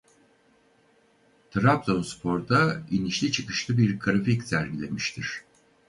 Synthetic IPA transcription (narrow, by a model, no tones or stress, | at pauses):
t̪ʰɾap̚t̪o̞nspʰo̞ɾd̪ainiʃlʲit͡ʃʰɯkɯʃlˠɯbiɾɡɾaficsæɾɟilʲe̞miʃt̪ʰiɾ̥